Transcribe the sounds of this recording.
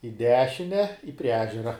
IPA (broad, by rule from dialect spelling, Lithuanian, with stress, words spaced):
ɪ ˈdʲæːʃʲɪnʲɛ ɪ pʲrʲiɛ ˈæːʒʲɛrɐ